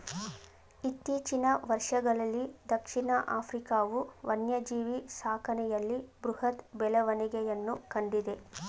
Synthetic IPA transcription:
it̪ːiːt͡ʃinɐʋɐɾʂɐɡɐɭɐlːid̪ɐkʂinɐʔaːpɾikaːʋuʋɐnjɐd͡ʒiːʋisaːkɐnɛjɐlːibɾuhɐt̪bɛlɐʋɐniɡɛjɐnːukɐɳɖid̪e̞

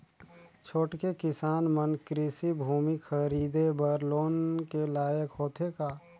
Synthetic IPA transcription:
t͡ʃʰoːʈkekɪsaːnmənkɾɪsibʱuːmixʰəɾiːd̪ebəɾloːnkelaːjəkɦoːt̪ʰekaː

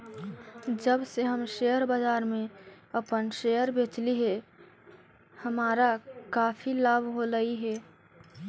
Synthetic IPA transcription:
d͡ʒəbseɦəmʃeːjəɾbaːd͡ʒaːɾmẽ | əpənʃejəɾbeːt͡ʃliɦɛ | həmaːɾakaːpʰilaːbʱɦoɾəiɦɛː

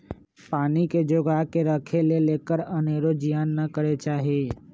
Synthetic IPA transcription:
paːniked͡ʒʊɡaɦkeɾəkʰeleleːkəɾəneːɾod͡ʒijaːnːɐkəɾet͡ʃaːɦieː

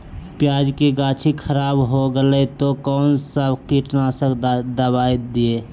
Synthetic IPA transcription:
pjaːd͡ʒkeɡaːt͡ʃʰikʰəɾaːbɦoɡəlɛt̪okɔːnsəbkiʈnasəkd̪əbaːid̪ieː

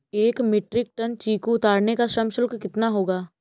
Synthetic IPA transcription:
eːkmɪʈɾɪk̚ʈənt͡ʃiːkoʊt̪aːɾnekaʃɾɐmʃʊlkːɪt̪naɦoːɡaː

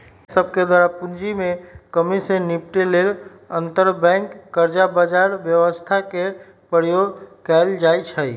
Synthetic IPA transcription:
səb̚ked̪waɾapund͡ʒimekəmisẽnip̚ʈelel | ənt̪əɾbɛ̃ŋkːəɾd͡ʒabəd͡ʒaɾbjəʋəst̪ʰake | pɾəɾjoɡkɛld͡ʒajt͡ʃʰəj

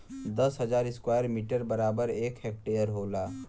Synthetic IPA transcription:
d̪əsɦəd͡ʒaɾɪskwajəɾmiʈəɾbəɾabəɾekɦek̚ʈejəɾɦola

